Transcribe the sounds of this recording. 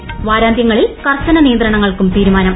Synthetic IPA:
ʋaːɾaːnd̪jɐŋːɐɭilkɐrt͡ɕɐnɐnijɐnd̪rɐɳɐŋːɐɭkumt̪iːɾumaːnɐm

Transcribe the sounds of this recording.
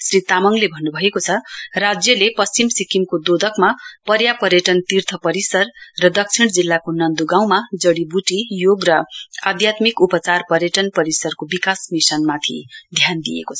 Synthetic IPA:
srit̪amʌŋlebʱʌnːubʱʌekot͡sʰʌrad͡zjʌlepʌst͡simsikimkod̪od̪ʱʌkmapʌɾjapʌɾjʌʈʌnt̪irt̪ʰʌpʌɾisʌrːʌd̪ʌk̚t͡sʰiɽ̃d͡zilːakonʌnd̪uɡãw̃mad͡zʌɽibuʈijoɡrʌad̪jat̪mikupʌt͡sarpʌɾjʌʈʌnpʌɾisʌrkobikasmisʌnmat̪ʰid̪ʱjand̪ijḛkot͡sʰʌ̥

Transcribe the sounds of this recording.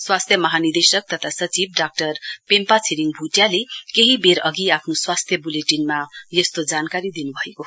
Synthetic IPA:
swast̪ʰjʌmʌɦanird̪esʌk̚t̪ʌt̪ʰasʌt͡sibɖak̚ʈʌrpempat͡sʰiɾiŋbʱuʈjalekeɦibeɾʌɡiapʰnoswast̪ʰjʌbuleʈinmajʌst̪od͡zankaɾid̪inubʱʌeko

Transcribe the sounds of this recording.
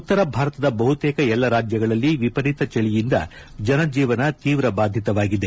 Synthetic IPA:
ut̪ːɐɾɐbʱaːɾɐt̪ɐd̪ɐbɐɦut̪eːkɐɛlːɐɾaːd͡ʒjɐɡɐɭɐlːiʋipɐɾit̪ɐt͡ʃɐɭijind̪ɐ̰ | d͡ʒɐnɐd͡ʒiːʋɐnɐt̪iːʋɾɐbaːd̪ʱjit̪ɐʋaːɡid̪e̞

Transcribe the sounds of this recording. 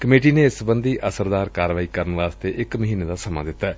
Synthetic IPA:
kəmeːʈiːneːɪsbənd̪iːʔəsəɾd̪aːɾkaːɾʋaːiːkəɾənəʋaːst̪eːʔɪkməɦiːneːd̪aːsəma̰ːd̪ɪt̪ːɛː

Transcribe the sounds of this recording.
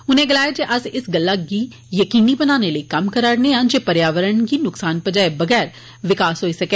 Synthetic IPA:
ʊnẽɡɐlaːed͡ʒeʔɐzɪsɡɐlːaki | jɐkiːnibɐnaːneləikɐmkɐɾaːɾneɦãnd͡ʒeːpɐɾjaːʋəɾəɳkinʊksaːnpɐd͡ʒaebɐɡɛːɾ | ʋɪkaːsɦoːisɐke

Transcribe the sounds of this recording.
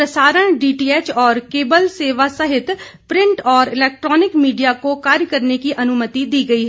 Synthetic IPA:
pɾɐsaːɾəɽ̃ɖiːʈiːeːt͡ʃɔːɾkeːbəlseːʋasɐɦɪt̪ | pɾɪ̃ɳʈɔːɾɪlɛːk̚ʈɾɔːnɪkmiːɖijakokaːɾjəkɐɾnekiʔɐnʊmət̪id̪iːɡɐiɦɛː

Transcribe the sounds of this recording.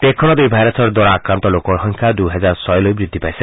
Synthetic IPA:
t̪ekʰːɔɽ̃ɔd̪ujbʱajɾasʰɔɾd̪ɔɾaːkɾant̪ɔlokɔɦɔ̃ŋkʰad̪uɦɛd͡zaɾsɔjlojbɾid̪ʱːipajse

